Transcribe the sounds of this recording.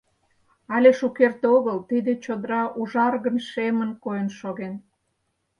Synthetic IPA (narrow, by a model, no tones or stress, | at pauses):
ɑlʲeʃukert̪oɣəlt̪id̪et͡ɕod̪əɾɑʔuʒɑrɣənʃemə̆nkojənʃoɣen